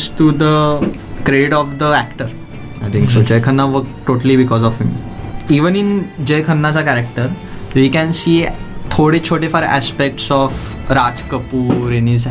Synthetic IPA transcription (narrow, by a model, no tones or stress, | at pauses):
sʈud̪ə | kɾeɖiʈɔfd̪əækʈəɾ | ajt̪ʰĩŋksod͡ʑejkʰənːaʋəkʈʈːoʈəlibikɔzɔfɦimiʋənind͡ʑejkʰənːat͡sakæɾekʈəɾ | ʋiːkɛ̃nsiːt̪ʰoɽet͡ɕʰoʈefaɾæ̰spek̚ʈsɔf | ɾad͡zkəpuːɾenid͡z